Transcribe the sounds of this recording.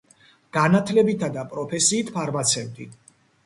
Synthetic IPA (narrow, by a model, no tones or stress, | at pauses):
ɡ̥anat̪ʰlɛbit̪ʰad̪apʼɾɔpʰɛsiːt̪ʰpʰaɾmat̪sʰɛvd̪ḭ